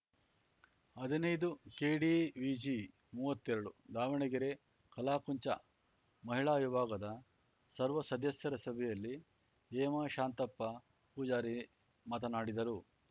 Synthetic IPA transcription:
ɐd̪ʱinɐjd̪ukeːɽiʋiːd͡ʒi | muːʋɐt̪ːɛɾɐɽud̪aːʋɐɳiɡiɾe | kɐlaːkuɲt͡ʃɐ̰ | mɐɦiɭaːʋjibʱaːɡɐd̪ɐ | sɐɾʋɐsɐd̪ʱɐsjɐɾɐsɐbʱɛjɐlːi | eːmaʃaːnt̪ɐpːɐ | puːd͡ʒaːɾi | mɐt̪ɐnaːɽid̪ɐɾu

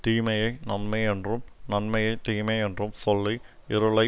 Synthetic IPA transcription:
tiːmɐjɐnɐnmɐjendrumnɐnmɐjet̪iːmejendrumsoɭːiiɾuɭɐ

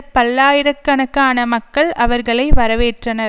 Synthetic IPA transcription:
pɐlːaːjɪɾɐkːɐɳɐkːaːnɐmɐkːɐɭʔɐʋɐɾɣɐɭɐɪʋɐɾɐʋeːʈrɐnɐɾ

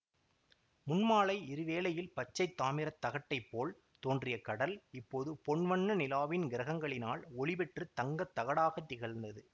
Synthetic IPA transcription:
mʊnmaːɭɐɪɪɾɯʋeːlɐjɪlpɐt͡ʃːɐɪt̪ːaːmɪɾɐt̪ːɐɣɐʈːɐɪpːoːɭ | t̪oːndrɪjɐkɐɽɐlɪpːoːðɯpɔɳʋɐɳːɐnɪlaːʋɪnɡɪɾɐɣɐŋɡɐɭɪnaːlɔɭɪpɛʈrɯt̪ɐŋɡɐt̪ːɐɣɐɽaːɣɐt̪ːɪɣɐɭnd̪ɐðɯ

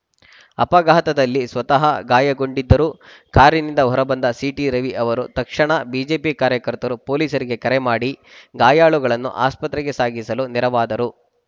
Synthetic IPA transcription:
ɐpɐɡaːɦɐt̪ɐd̪ɐlːisʋɐt̪ɐɦɐɡaːjɐɡo̞ɳɖid̪ːɐɾuː | kaːɾinind̪ɐɦɔɾɐbɐnd̪ɐsiːʈiɾɐʋiʔɐʋɐɾut̪ɐkʂɐɳɐbiːd͡ʒe̞ːpikaːɾjɐkɐɾt̪ɐɾupo̞ːliːsɐɾiɡe̞kɐɾɛmaːɽiɡaːjaːɭuɡɐɭɐnːṵʔa̰ːspɐt̪ɾɛɡe̞saːɡisɐluniɾɐʋaːd̪ɐɾu

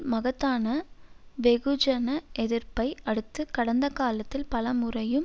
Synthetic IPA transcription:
mɐɣɐt̪ːaːnɐʋɛɣɯd͡ʒɐnɐʔɛðɪɾpɐɪɐɽɯt̪ːɯkɐɽɐnd̪ɐkaːlɐt̪ːɪlpɐlɐmʊrɐjɯm

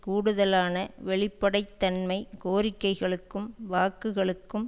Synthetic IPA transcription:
kuːɽɯðɐlaːnɐʋɛɭɪpːɐɽɐɪt̪ːɐnmɐɪkoːɾɪkːɐɪɣɐɭɯkːɯmʋaːkːɯɣɐɭɯkːɯm

